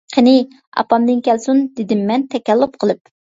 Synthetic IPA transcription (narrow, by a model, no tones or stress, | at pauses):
qʰənɪ | ɑ̰pɑmd̪ɨnkʲʰɛlsund̪ɪd̪ɪmːɛnt̪ʰɛkʲɛlːʊp̚qʰəlˠɨp̚